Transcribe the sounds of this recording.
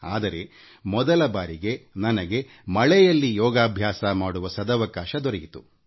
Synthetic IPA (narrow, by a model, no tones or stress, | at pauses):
aːd̪ɐɾe̞ | mɔd̪ɐlɐbaːɾiɡe̞nɐnɐɡe̞ | mɐɭɛjɐlːijɔːɡaːbʱjaːsɐmaːɽuʋɐsɐd̪ɐʋɐkaːʃɐd̪ɔɾɐɡit̪u